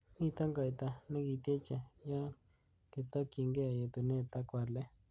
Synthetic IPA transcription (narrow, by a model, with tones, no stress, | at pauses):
ni˦t̪a˦ŋɡa˨jt̪a˨nɛ˦ki˨˧t̪je˦t͡ʃa˨ja˦ | kɪ˨t̪a˦ke˨ŋɡe˦a˨je˨t̪u˨ne˦˨t̪a˦kwa˨ɾle˦